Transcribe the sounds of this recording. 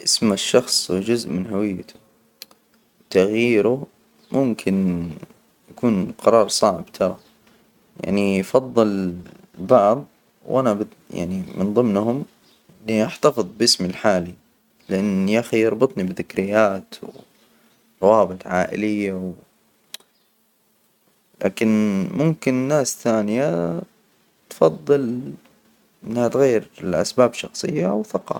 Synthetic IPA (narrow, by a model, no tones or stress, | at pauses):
ʔɪsmaʃːɑxsˤwd͡ʒʊzʔmɪnɦawɪjːt̪ʊ̥ | wt̪aɣjiːɾʊ | mʊmkʰɪn | jakuːnqɑɾˤɑːɾˤsˤɑʕɪbt̪ʰɑɾˤɑ | ja̰ʕnifɑðˤːɨl | bɑʕðˤ | wʔanabɪd̪ja̰ʕnimɪ̰nðˤɨmnhʊm | ɪniʔaħt̪afɨðˤbʔɪsmilħaːli | lɪʔanːiʔaxijɑɾˤbɨt̪ˤnibɪðɪkɾɪjːaːt̪w | t̪ˤɑwɑːbɨt̪ˤʕaːʔɪ̰lɪjːaw | la̰ːkɪnmʊmkɪnnːaːsθaːnɪja | t̪fɑðˤːɨl | ɪnːhat̪ɣajːɪɾɪlʔa̰sbaːbʃɑxsˤɨ̰jːawθɑqɑ̰